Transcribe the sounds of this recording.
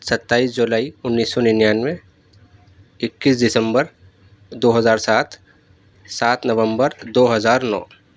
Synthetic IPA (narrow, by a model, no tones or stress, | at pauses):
sɐt̪ːaːiːs̬d͡ʒʊlaːiʊnːiːsːɔnɪnjaːnmẽ | ɪkːiːs̬d̪ɪsə̃mbəɾ | d̪oːɦəzaːɾsaːt̪ʰ | saːt̪nɐʋə̃mbəɾd̪oːɦəzaːɾnɔ̰ː